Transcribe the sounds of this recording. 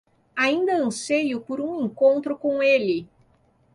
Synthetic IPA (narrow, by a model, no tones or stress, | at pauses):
aĩnd̪ɐɐ̃sejʊpoɾũẽŋkõnt̪ɾʊkõw̃elɪ